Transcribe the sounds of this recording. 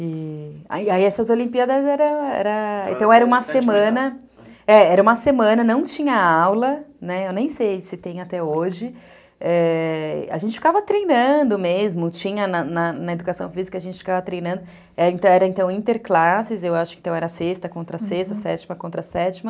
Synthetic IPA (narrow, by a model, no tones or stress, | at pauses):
ɪa̰iaiɛsɐzolĩmpiad̪ɐzɛɾɐ̃w̃ɛ̰ɾɐḛ̃t̪ɐ̃w̃ɛɾɐ̃ũmɐsemɐ̃nɐ | ɛɛɾɐũmɐsemɐ̃nɐnɐ̃w̃t͡ʃĩɲɐawlɐnɛewnẽj̃sejsɪt̪ẽj̃at̪ɛoʒɪ | ɛ | a̰ʒẽt͡ʃɪfikavɐt̪ɾejnɐ̃d̪ʊmezmʊt͡ʃĩɲɐnɐnɐnɐed̪ukasɐ̰̃w̃fizikɐʒẽnt͡ʃɪ̥fikavɐt̪ɾejnɐ̃nd̪ʊ | ɛɾẽnt̪ɐ̃w̃ɛɾɐẽnt̪ɐ̃w̃ĩnt̪eɾklasɪzewaʃʊkẽt̪ɐ̃w̃ɛɾɐsest̪ɐkõnt̪ɾɐsest̪ɐsɛt͡ʃimɐkõt̪ɾɐsɛt͡ʃimɐ